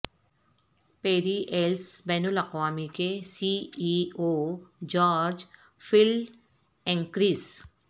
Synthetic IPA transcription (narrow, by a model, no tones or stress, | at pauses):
peːɾiʔelsbɛːnʊlɐqʋaːmikesiiod͡ʒɔːɾd͡ʒ | fɪl | ɛ̃ŋkɾiːs